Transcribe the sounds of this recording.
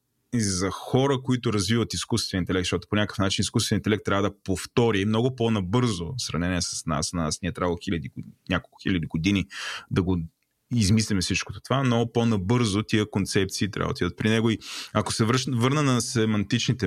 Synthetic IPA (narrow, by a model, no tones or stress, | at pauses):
izɐxɔɾəkoit̪ʊɾɐzvivət̪iskust̪vɛnʲint̪ɛlɛk̚t̪ʃtɔt̪o̥ponʲakə̥fnat͡ʃiniskust̪vɛnit̪ɛlɛkt̪ːɾʲavəd̪ɐpoft̪ɔɾimnɔɡʊponɐbɤɾzosɾɐvnɛniɛsɐ̥sna̰snasniɛt̪ɾavɐlˠoxilɐd̪inʲakolˠkʊxilʲəd̪iɡod̪inid̪ɐɡo | izmislʲimɛfsit͡ʃkot̪o̥t̪ovamnɔɡʊponɐbɤɾzot̪iəkont̪sɛp̚t̪siːt̪ɾʲʔa̰və̰d̪id̪ət̪̚pɾinɛɡoiɐko̥sɛvvɤɾnənɐsɛmɐnt̪it͡ʃnit̪ɛ